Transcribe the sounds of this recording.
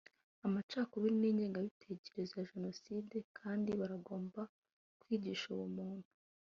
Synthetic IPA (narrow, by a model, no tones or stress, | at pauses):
amat͡ʃaːkoβiɾiniːɲɟeːŋɡaβitʰe̞ce̞ɾe̞zejaʒe̞no̞side̞kʰaːndiβaɾaɡo̞ːmba | kwiːɟiʃuwumuːn̥hu̥